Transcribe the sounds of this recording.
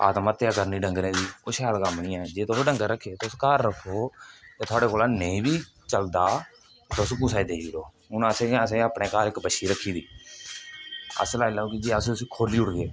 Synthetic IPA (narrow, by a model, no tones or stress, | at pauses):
a̰ːt̪maːt̪ejaːkəɾniːɖəŋɡnẽːd̪iːʊʃaːlkəmnĩːɛ̃ːd͡ʒeːt̪osɖəŋɡəɾəkʰːeːt̪oʊskaːɾːəkʰːoːt̪eːt̪ʊaːɽeːkoːlaːneĩːbiː | t͡ʃəld̪aː | t̪oskuːsaːiːd̪eːiiɾoː | ʊnəsẽːəsẽːaːpɳẽːkaːɾɪkbəʃiːɾəkʰːiːd̪iː | ə̰slaːilaːoːkid͡ʒiːəsːʊsiːkʰoːliːʊʈɡeː